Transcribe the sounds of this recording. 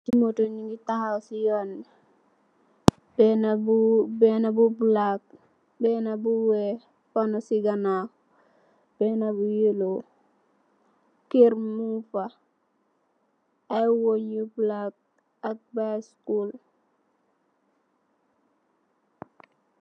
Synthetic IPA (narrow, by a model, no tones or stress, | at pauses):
timotoniŋɡitahawsijɔnːi | bɛnabubɛnabublak̚ | bɛnabuwɛ | fanosiɡana | b̥ɛnabujelo | kiɾmufa | ajwoɲublak̚ | ak̚baskul